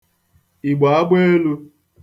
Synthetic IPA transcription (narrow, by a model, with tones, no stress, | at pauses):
i˨ɡ͡ba˨˦a˦ɡ͡bʷe˦e˦lu˦